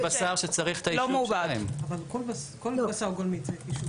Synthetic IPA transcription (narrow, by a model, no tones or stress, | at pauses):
basaʁʃet͡saʁiχt̪alomubamavalkolbaskolasaʁɡolmit͡seiʃu